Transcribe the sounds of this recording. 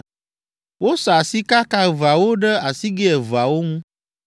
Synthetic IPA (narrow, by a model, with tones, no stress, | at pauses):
wo˦sɔ˨a˨si˦ka˦ka˦˨va˨wo˦ɖə˦a˨si˦ɡe˦ɛ˨va˨wo˦ŋũ˦